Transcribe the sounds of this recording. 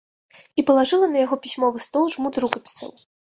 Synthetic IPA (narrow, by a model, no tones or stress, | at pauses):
ipɐlˠaʐɨlˠɐnɐjaɣɔpʲisʲmɔvɨst̪ɔlˠʐmut̪ɾukɐpʲi̥sɐ̰w